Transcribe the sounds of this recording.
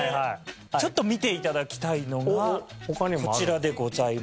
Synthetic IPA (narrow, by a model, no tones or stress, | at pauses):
a | t͡ɕo̞t̪ːo̞mʲit̪e̞it̪ad̪akʲi̥t̪aino̞ɡahokaɲikot͡ɕiɾad̪e̞ɡo̞zai